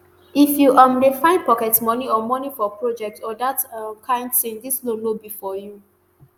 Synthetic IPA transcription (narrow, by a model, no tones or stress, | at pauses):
ifjuʔamdefãɪ̃npɔkɛtmɔniɔmɔnifɔpɹod͡ʒɛk̚tɔdatkʰãɪ̃ndsĩndislolobifɔju